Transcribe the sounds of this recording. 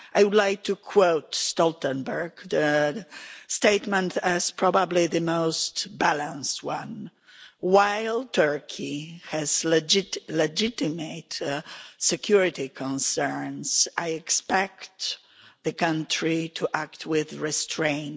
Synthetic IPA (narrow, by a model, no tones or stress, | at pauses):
ʔajwʊdlaɪk̚tʰukʰwoʊtstɔltə̃nbə˞ɡðə | steɪtmə̃ntɪz̥pʰɹɔbabliðɨmoʊstbælə̃nst̚wãn | waɪlˠtʰɜ˞kʰihɛzld͡ʒlɛd͡ʒɪtɪmeɪt | sɛkʰjuɹɪtikʰɔ̃nsɜ˞nsʔajɛkspɛkt | ðɨkãntʰɹitʰuʔæk̚tʰwɪðɹɛstʰɹẽɪ̃n